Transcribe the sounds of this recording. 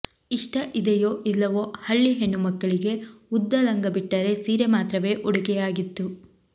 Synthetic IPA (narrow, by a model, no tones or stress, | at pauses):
iʂʈɐʔid̪ɛjoːʔilːɐʋoːhɐɭːiɦe̞ɳːumɐɡːɐɭiɡe̞ud̪ːɐlɐŋɡɐbiʈːɐɾe̞siːɾemaːt̪ɾɐʋe̞ːʔɔɽuɡɛjaːɡit̪ːu